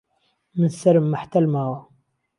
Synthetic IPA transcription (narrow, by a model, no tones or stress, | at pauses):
mənsɐɾmːaħt̪ɐlmaːwa